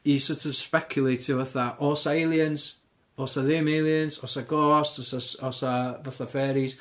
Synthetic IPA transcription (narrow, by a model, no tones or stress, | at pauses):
isətʰɔv̥spɛkʰjʊlˠejtʰivəθaʔoːsaɪlˠjəns | ɔːsaðɪmejlˠjənsɔsaɡɔːstɔsasɔsavəθafɛːɾis